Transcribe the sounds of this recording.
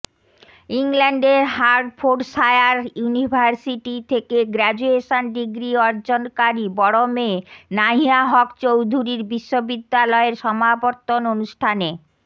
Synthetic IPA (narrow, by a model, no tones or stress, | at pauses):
iŋlɛɳɖeɾɦaɾfʰoɖʃaeaɾjunibʱaɾsiʈit̪ʰekeɡɾɛd͡ʑueʃonɖiɡɾiɔɾd͡ʑonkaɾibɔɽomenaɦiaɦɔkt͡ɕowd̪ʱuɾiɾbiʃːobid̪ːalɔeɾʃɔmaboɾt̪ːononuʃʈʰane